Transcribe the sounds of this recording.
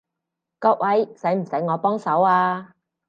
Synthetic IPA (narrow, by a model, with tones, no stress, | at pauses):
kɔː˧k̚wʔɐ˨˥jsɐ˨˥jm̩˨˩sɐ˨˥jŋɔː˨˧pɔː˥ŋsɐ˨˥waː˧